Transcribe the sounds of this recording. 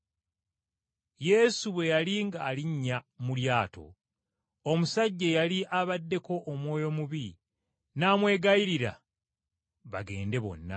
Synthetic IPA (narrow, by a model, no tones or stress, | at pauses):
je̞suβwe̞jaliŋɡaːliɲːamuljaːtʰo̞̰ | omusaɟːejaliʔaβadːe̞ko̞ʔːmwo̞ːjo̞muβi | naːmwe̞ːɡaiɾiɾa̰ | βa̰ɡe̞̰ːnde̞βo̞̰nːa̰